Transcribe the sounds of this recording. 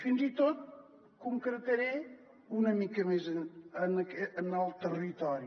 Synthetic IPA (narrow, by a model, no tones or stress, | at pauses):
finzit̪ot̪̚ | kuŋkɾət̪əɾe | unəmikəmezənənəkɛənalˠt̪ərit̪ɔɾi